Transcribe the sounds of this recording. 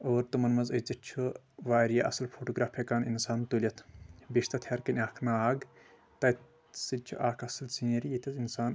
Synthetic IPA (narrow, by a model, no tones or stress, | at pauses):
oːɾt̪ɨmɐnmɐzɐt͡sɐt͡ʃʰu | ʋaːɾijaʔɐ̰sɐlpʰoːʈoːɡɾaːpʰekaːninsaːnt̪ulʲɐt̪ʰbiʃt̪ɐt̪ʰjɐɾkɐnʲaːkʰnaaːɡ | t̪ɐ | sɨt͡ʃʰṵʔaːkʰɐsɐlsinɐɾijit̪ʲʰɐzinsaːn